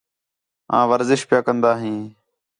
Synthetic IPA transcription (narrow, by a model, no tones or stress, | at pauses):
ɦã̰ːʋəɾzɪʃpjaːkənd̪aːɦĩː